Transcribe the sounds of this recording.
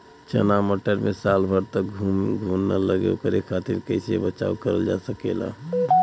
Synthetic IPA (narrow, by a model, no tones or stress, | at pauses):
t͡ʃə̰naməʈəɾmesalbʱəɾt̪əkɡʱuɡʱunːə̰ləɡḛkəɾekʰat̪iɾkəɪsebət͡ʃa̰ukəɾə̰ld͡ʒa̰səkḛla̰